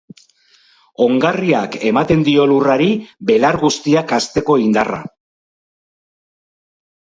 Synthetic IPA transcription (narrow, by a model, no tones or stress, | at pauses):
o̞ŋɡariake̞mat̪e̞nd̪io̞luraɾibe̞laɾɣust̪iakast̪e̞ko̞ind̪ara̰